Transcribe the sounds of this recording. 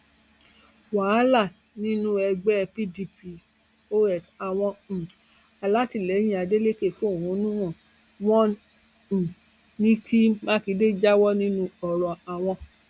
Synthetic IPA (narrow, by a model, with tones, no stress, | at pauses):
wa˨˦la˦˨ | nĩ˦nũ˦ɛ˧ɡ͡bɛ˦˧pi˦di˧pi˧ | o˦ɛ˦˨sa˨w̃ɔ̃˧˨ | a˧la˦ti˦˨lɛ˨˦j̃ĩ˦a˧de˦le˦ke˦˨fu˦o˦˨ũ˨˦nũ˦ɔ̃˦˨ | wɔ̃˦˨ | nĩ˦kʰi˦mã˦ki˨˧˦de˦d͡ʒa˦wɔ˦nĩ˦nũ˦ɔ˧ɾɔ˨a˨w̃ɔ̃˧